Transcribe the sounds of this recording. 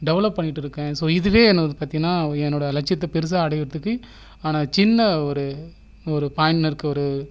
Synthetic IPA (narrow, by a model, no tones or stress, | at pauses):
ɖɛʋɐlɐpːɐɳːɪʈːɯɾɯkːɛ̃ːsoːɪðɯʋeːɛnːɐðɯpaːɾt̪ɪŋɐnːaːɛnːoːɽɐlɐʈt͡ʃɐt̪ːɐpɛɾɯs̬aːɐɽɐjɪɾɐðɯkːɯ | aːnaːt͡ʃɪnːɐɔɾɯ | ɔɾɯpaːjnnɐɾɯkːɯɔɾɯ